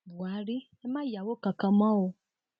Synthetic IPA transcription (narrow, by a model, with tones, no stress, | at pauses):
bu˨a˨˦ɾi˦ | ɛ˦mã˦ja˨wo˦˨kã˧kã˧mã˦o˧